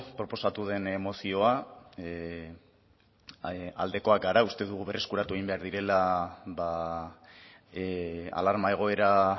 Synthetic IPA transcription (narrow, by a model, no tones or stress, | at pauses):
pɾo̞po̞sat̪uð̞e̞ne̞mo̞sio̞a | a̰ld̪e̞ko̞ak̚ɡaɾaust̪e̞ðuɣ̞uβe̞rʔe̞skuɾat̪ue̞ɣimbe̞aɾðiɾe̞laβa | a̰laɾmae̞ɣ̞o̞e̞ɾa